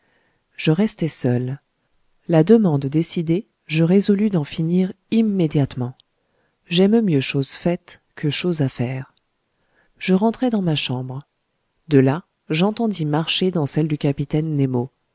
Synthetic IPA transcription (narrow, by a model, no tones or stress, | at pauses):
ʒ̥əʁɛst̪ɛsœl | lad̪əmɑ̃d̪ːesid̪e | ʒəʁezɔlyd̪ɑ̃finiʁ | imːed̪jat̪mɑ̃ | ʒɛmmjøʃozfɛt̪ | kʰəʃozafɛːʁ | ʒ̥əʁɑ̃t̪χɛd̪ɑ̃maʃɑ̃bʁ | d̪əla | ʒɑ̃t̪ɑ̃d̪imaʁʃed̪ɑ̃sɛld̪ykʲapit̪ɛnːemo